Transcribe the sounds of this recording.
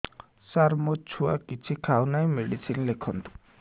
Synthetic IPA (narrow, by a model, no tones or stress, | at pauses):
saɾmot͡ʃʰua̰kit͡sʰikʰawnajmeɽisʰinlekʰɔnt̪u̥